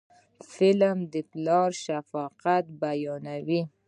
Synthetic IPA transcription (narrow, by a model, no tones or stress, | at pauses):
fɪlmd̪əplɑɾʃafɑqat̪̚bajɑnawi